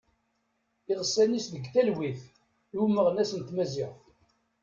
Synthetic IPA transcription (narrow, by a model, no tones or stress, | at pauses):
ɪʁəsːænisðəɡθælwiθ | luməʁnæsənt̪mæzɪʁθ